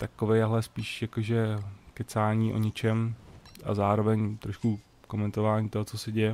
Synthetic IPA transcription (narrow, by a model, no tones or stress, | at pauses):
t̪akovejaɦlɛspiːʃjakoʒɛkɛt͡saːɲiːʔo̰ɲɛt͡ʃɛmʔa̰zaːɾo̞vɛɲt̪ɾoʃku | ko̞mɛnt̪ovaːɲiːt̪oɦot͡sosɛɟɛjɛ